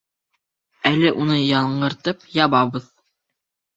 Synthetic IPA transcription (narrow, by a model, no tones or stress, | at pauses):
ælɘʔunɤjɑlˠɴɢɤ̆ɾt̪ɤpjɑβɑβɤð